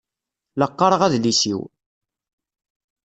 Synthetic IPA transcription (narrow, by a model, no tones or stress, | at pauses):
ləqːɑɾˤəʁæðlisḭw